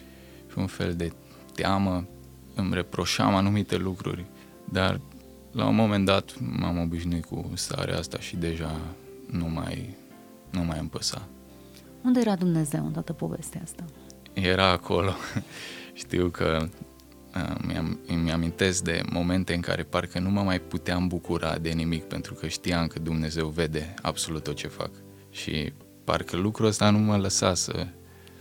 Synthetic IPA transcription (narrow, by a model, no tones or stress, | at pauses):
ʃiunfe̞̰ld̪e̞ | t̪eamə | ɨmrepɾo̞ʃa̰manumit̪e̞lukɾṵrʲ | d̪a̰r | la̰ṵmo̞me̞nd̪at̪mamo̞biʃnuit̪kṵst̪a̰ɾḛast̪aʃid̪e̞ʒa | numa̰j | numajɨmpəsa̰ | und̪eeɾad̪umne̞ze̞wnt̪at̪əpovest̪east̪a | je̞ɾaːkʰo̞lo̞ | ʃt̪iwkʰə | əma̰mjamint̪e̞sk̚d̪e̞̰mʔo̞me̞nt̪e̞ɨŋka̰ɾe̞parkənuməmajput̪eambukuɾʔa̰d̪e̞nimikpe̞nt̪ɾukəʃt̪iamkəd̪umne̞ze̞wve̞d̪e̞a̰bso̞lut̪ːot̪̚t͡ʃe̞fa̰k | ʃḭ | pa̰rkəlukɾuəst̪anumələsa̰sə̰